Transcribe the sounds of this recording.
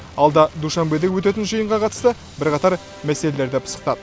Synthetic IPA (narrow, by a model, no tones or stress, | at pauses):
ɑlˠd̪ɑd̪uʃɑnbed̪ekwɵt̪e̞t̪̬ɪnʒəjəɴʁɑqʰɑt̪ə̥st̪ə | bɪɾqɑt̪ɑɾ | mæse̞le̞le̞ɾd̪ɪpʰə̥sə̥q̚t̪ɑd̪ə